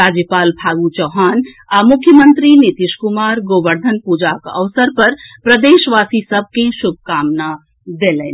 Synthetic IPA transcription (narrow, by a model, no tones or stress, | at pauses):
ɾad͡ʒjəpaːlbʱaːɡut͡ʃɔɦaːn | amukʰːjəmənt̪ɾinit̪iʃkumaːɾɡoʋəɾd̪ʱənpud͡ʒakəʋsəɾpəɾpɾəd̪eːʃʋaːsisəb̚ʱkesubʱkaːmna | d̪elɛn